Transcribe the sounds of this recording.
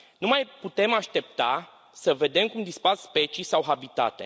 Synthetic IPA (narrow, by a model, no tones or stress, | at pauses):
numajput̪e̞maʃt̪e̞p̚t̪a | səve̞d̪e̞mkumd̪isparspe̞t͡ʃisawɦabit̪a̰t̪e̞̰